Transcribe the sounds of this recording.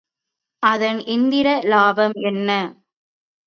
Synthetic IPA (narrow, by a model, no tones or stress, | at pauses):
ʔɐðɐnɪnd̪ɪɾɐlaːbɐmɛnːɐ